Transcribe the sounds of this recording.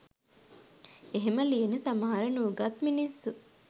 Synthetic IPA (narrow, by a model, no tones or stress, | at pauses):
eɦemɐlienet̪ɐmaːɾɐnuːɡɐt̪minisːu